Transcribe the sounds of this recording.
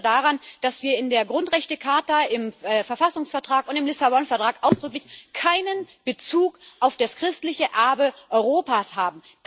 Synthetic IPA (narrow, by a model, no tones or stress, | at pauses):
daʁand̥asv̥iːɐɪndeːɐɡʁʊntʁɛçtəkʰaɐtaɪmɛːfɛɐfasʊŋsfɛɐtʁ̥aːkʊntɪmlɪsabɔnfɛɐtʁ̥aːkʔaʊsd̥ʁʏklɪçkʰaɪnənb̥ət͡suːkʔaʊfd̥askʁ̥ɪstlɪçəʔɛɐbəʔɔʏʁoːpashaːbm̩ | d